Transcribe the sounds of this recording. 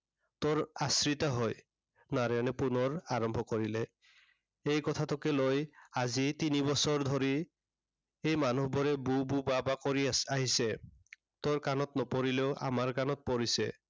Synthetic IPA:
tɔɹasɹit̪aɦɔj | naɹɔnɛpunɔɹaɹɔmbʱɔkɔɹilɛ | ejkɔtʰatɔkɛlojazitinibɔsɔɹd̪ʱɔɹi | ejmanuɦbɔɹɛbububabakɔɹiaɦisɛ | t̪ɔɹkanɔtnɔpoɹileʊʔa̰maɹkanɔt̚poɹisɛ̰

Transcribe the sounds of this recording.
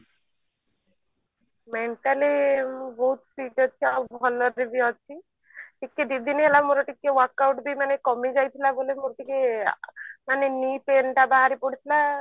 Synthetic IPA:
meɳʈalibɔɦut̪fiʈɦɔt͡ʃʰiabʱɔlɔɾibiɦɔt͡ʃʰi | ʈikːed̪id̪ʱiniɦelamoɾɔʈikːeʋɔɾkawʈbimanekɔmid͡ʒajt̪ʰilabolemoɾoʈike | manenipenʈabaɦaɾipɔɽ̤it̪ʰila

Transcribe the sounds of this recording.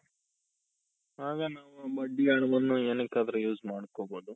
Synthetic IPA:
aːɡɐnaːʋubɐɖːiaːɳɐʋɐnːuenekːaːd̪ɾɐjuːzmaːɽkoːboːd̪u

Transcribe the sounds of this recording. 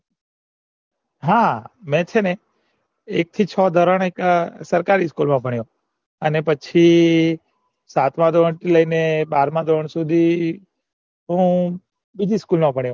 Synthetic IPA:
ɦãmẽt͡ʃʰene | ek̚t̪ʰit͡ʃʰɔd̪ʱɔɾəɳ̃eksəɾkaɾiskulmãpəɳjo | ənepət͡ʃʰi | sat̪mãd̪ʱoəɳt̪ʰiləinebaːɾmãd̪ʱoəɳsud̪ʱi | ɦũ | bid͡ʒiskulmãpəɳ̃jõ

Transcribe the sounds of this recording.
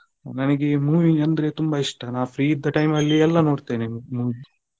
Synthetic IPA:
nɐnɐɡemuːʋiɐnd̪ɐɾe̞t̪umbɐiʂʈɐnaːpʰɾiːid̪ɐʈɐjmɐlːiɛlːɐno̞ːɽt̪enemuːʋi

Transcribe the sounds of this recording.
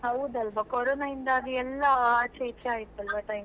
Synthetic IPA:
ɦɐwd̪ɐlʋɐkoɾoːnaind̪ɐɐd̪uɛlːɐːt͡ʃeit͡ʃeaːjit̪ːuɐlʋɐʈɐj

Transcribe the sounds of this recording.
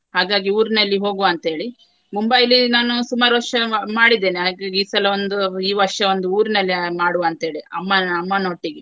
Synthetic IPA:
haːɡaːɡiuːɾinɐlːiɦo̞ːɡuɐnt̪ɐɦe̞ːɭi | mumbɐjlinaːnusumaːɾuʋɐɾʂɐmaːɽid̪ːeːneɦaːɡaːɡiːsɐlɐond̪uiːʋɐɾʂɐo̞nd̪uuːɾinɐlːimaːɽuʋɐnt̪ɐɦe̞ːɭiɐmːɐɐmːɐno̞ːʈːiɡe

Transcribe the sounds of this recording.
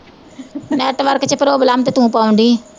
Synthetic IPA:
nɛːʈʋəɾkt͡ʃəpəɾoːbəlaːmt̪eːt̪ʊũːpaːʊ̃ɳd̪iː

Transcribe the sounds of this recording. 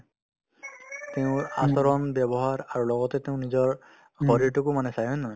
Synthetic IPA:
teʊ̃a̰sɔɹɔnbɛbɔɦaɹaɹulɔɡɔtɛteʊ̃nizɔɹ | xɔɹiɹtukumanɛsajɔnːɔ

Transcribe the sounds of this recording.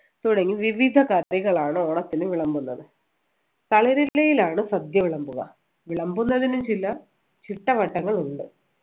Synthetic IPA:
t̪uɽɐŋɡiʋiʋid̪ʱɐkaɾjiɣɐɭaːɳɨoːɳɐt̪ːinɨʋiɭɐmbunːɐðɨ | t̪ɐɭɐɾilːɐjilaːɳɨsɐd̪jɐʋiɭɐmbuɣɐ̰ | ʋiɭɐmbunːɐðinumt͡ɕilːɐ | t͡ɕiʈːɐʋɐʈːɐŋːɐɭuɳɖɨ

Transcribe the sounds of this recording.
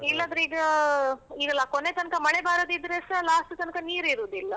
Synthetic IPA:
ilːɐnd̪ɾiːɡɐ | iːɡɐlːɐkonet̪ɐnkɐmɐɭebaːɾoːd̪id̪ɾesɐlaːsʈut̪ɐnkɐniːɾiɾuːd̪ilːɐ

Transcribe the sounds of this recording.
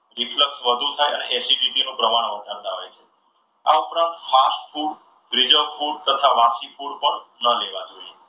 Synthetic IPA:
ɾifləksʋəd̪ʱut̪ʰajənḛʔɛsiɖiʈinũpɾəmaɽ̃ʋəd̪ʱaɾt̪aɦo̰jt͡ʃʰe | a̰upɾãnt̪fasfʰuɽ | fɾid͡ʒəlfʰuɖ̚t̪ət̪ʰaʋasipuɽpəɳnəleʋad͡ʒoie

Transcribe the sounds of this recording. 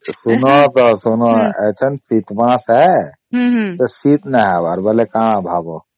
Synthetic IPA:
sunɔt̪ɔsunɔɛ̰t͡ʃʰənsit̪bãsɛ | sesit̪nɛɦabaɾbəlekãbʱabɔ

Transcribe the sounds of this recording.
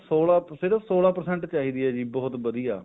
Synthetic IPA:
soːlaːsɪɾəfʰsoːlaːpəɾsɛ̃ːɳʈt͡ʃaːɦiːd̪iːɛːd͡ʒiːbɔːt̪bəd̪ijaː

